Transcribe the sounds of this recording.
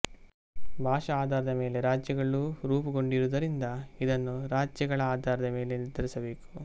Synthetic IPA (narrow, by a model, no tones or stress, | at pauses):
bʱaːʃɐaːd̪aːɾɐd̪ɐme̞ːle̞ɾaːd͡ʒjɐɡɐɭuɾuːpuɡo̞ɳɖiɾud̪ɐɾind̪ɐid̪ɐnːuɾaːd͡ʒjɐɡɐɭɐaːd̪ʱaːɾɐd̪ɐme̞ːle̞niɾd̪ɐɾisɐbe̞ːku̥